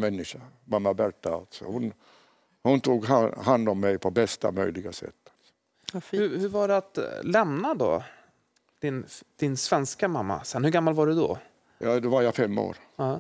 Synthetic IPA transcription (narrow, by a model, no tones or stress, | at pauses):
mɛnːɪʂamamːabæɾʈːaa̰lt̪sɔ̰hʊn | hʊnt̪ʰuːɡɦahand̪ɔmːɛjpʰɔbɛst̪a̰mœjlɪɡasɛ̰t̪ːalsɔ̥ | hɵhɵɾvaɖɛat̪lɛmnad̪ɔ̰ | d̪̥ɪnd̪̥ɪnsvɛnskamamːa̰sɛnhɵɾɡamːalvaɖɛd̪ɔ̰ | jɑːd̪ɛvaɾjafɛmːo̰ːɾ